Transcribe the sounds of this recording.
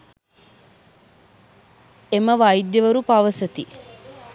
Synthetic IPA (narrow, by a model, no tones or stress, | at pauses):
emɐʋɐjid̪jɐʋɐɾupaʋɐsɐt̪i